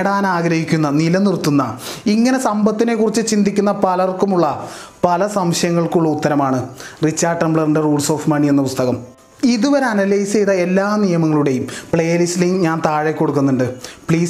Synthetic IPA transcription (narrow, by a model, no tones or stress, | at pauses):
ɽaːnaːɡɾɐhikʲːunːɐnilɐnirt̪ːunːɐiŋːɐne̞sɐmbɐt̪ːine̞kːurit͡ɕːɨt͡ɕind̪ikʲːunːɐpɐlɐrkumuɭːɐpɐlɐsɐmɕɐjɐŋːɐɭkuɭːɐut̪ːɐɾɐmaːɳɨrit͡ɕːaːɖrɐmbɭɐrɨɳɖɨruːɖso̞ːfmɐɳie̞nːɐpust̪ɐɣɐm | iðuʋɐɾeɐnɐlɐjsejðɐe̞lːaːnijɐmɐŋːɐɭuɽe̞jumpɭeːlisliŋɡɲaːnt̪aːɻekːo̞ɽuk̬ːunːuɳɖɨpɭiːs